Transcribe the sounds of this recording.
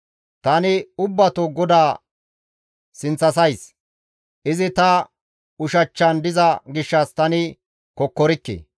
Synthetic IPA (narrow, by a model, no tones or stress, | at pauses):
t̪ɐnɪʊbːɐt̪oɡɔd̪aː | sɪnt͡sːɐsɐjs | ʔɪzɪt̪ɐ | ʊʃɐt͡ʃːɐnd̪ɪzɐɡɪʃːɐst̪ɐnɪ | kɔkːɔɾɪkːḛː